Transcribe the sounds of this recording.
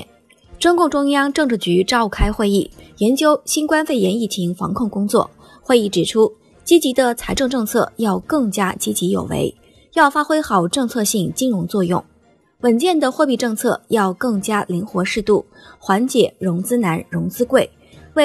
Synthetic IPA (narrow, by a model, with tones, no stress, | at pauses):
ʈ͡ʂʊ˥ŋkʊ˥˩ŋʈ͡ʂʊ˥ŋjɑ˥ŋʈ͡ʂɤ˥˧ŋʈ͡ʂɻ̩˥˩t͡ɕy˧˥ʈ͡ʂɑ˥˧ʊkʰa˥ɪxwe˥˧ɪi˥˩jɛ˧˥nt͡ɕjo˥ʊɕi˥nkwa˥nfe˥˩ɪjɛ˧˥ni˥˩t͡ɕʰi˧˥ŋfɑ̰˧˥ŋkʰʊ˥˩ŋkʊ˥ŋt͡swɔ̰˥˩ | xwe˥˧ɪi˥˩ʈ͡ʂɻ̩˨˩ʈ͡ʂʰu˥ | t͡ɕi˥t͡ɕi˧˥d̪ə˧t͡sʰa˧˥ɪʈ͡ʂɤ˥˧ŋʈ͡ʂɤ˥˧ŋt͡sʰɤ̰˥˧jɑ˥˧ʊkɤ˥˩ŋt͡ɕja˥t͡ɕi˥t͡ɕi˧˥jo˨˩ʊwḛ˧˥ɪ | jɑ˥˩ʊfa˥xwe˥ɪxɑ˨˩ʊʈ͡ʂɤ˥˧ŋt͡sʰɤ˥˧ɕi˥˩ŋt͡ɕi˥nɻʊ˧˥ŋt͡swɔ˥˧jʊ̰˥˩ŋ | wə˨˩nt͡ɕjɛ˥˩nd̪ə˩xwɔ˥˧pi˥˧ʈ͡ʂɤ˥˧ŋt͡sʰɤ̰˥˧jɑ˥˧ʊkɤ˥˩ŋt͡ɕja˥li˧˥ŋxwɔ˧˥ʂɻ̩˥˧t̪u˥˩ | xwa˧˥nt͡ɕjɛ˨˩ɻʊ˧˥ŋt͡sɹ̩˥na˧˥nɻʊ˧˥ŋt͡sɹ̩˥kwe˥˩ɪ | we˥˩